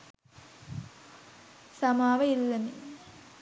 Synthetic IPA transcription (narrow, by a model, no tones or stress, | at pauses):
sɐmaːʋɐilːɐni